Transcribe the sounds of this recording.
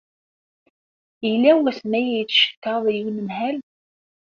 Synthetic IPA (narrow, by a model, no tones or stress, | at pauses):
ilːæwæsmæjæjət͡sːʃə̥kːɑðˤjəwnəmhæl